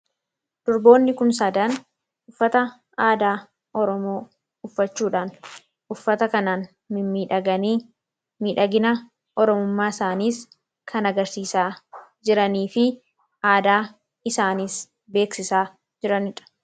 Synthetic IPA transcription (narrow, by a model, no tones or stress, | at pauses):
d̪̥ʊɾbo̞ːnːɪkʊnsɐd̪ɐn | ʔʊfːɐt̪ɐ | aːd̪aː | ʔɔɾɔmo̞ː | ʊfːɐt͡ʃːuːᶑaːn | ʔʊfːɐt̪ɐkɐnaːn | mɪmiːᶑɐɡɐniː | miːᶑɐɡɪnɐ | ʔɔɾɔmʊmːaːɪsaːniːs | kʰɐnɐɡɐɾsiːsaːd͡ʒɪɾɐniːfɪ | ʔaːd̪aː | ɪsaːniːs | be̞ːksɪsaː | d͡ʒɪɾɐnɪᶑɐ̥